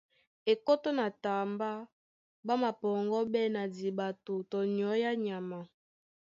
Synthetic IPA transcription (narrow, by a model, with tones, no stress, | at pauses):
e˨ko˦to˦na˨ta˨mba˦ | ba˦ma˨pɔ˨ŋɡɔ˦bɛ˦na˨di˨ba˨to˨tɔ˨n˨ɔ˨˦ja˦ɲa˨ma˨